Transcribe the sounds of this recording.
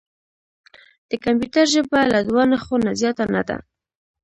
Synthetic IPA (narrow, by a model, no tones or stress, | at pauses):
d̪̥əkampjut̪aɾʒəbalad̪wɑnaxonazjɑt̪ana̰d̪a̰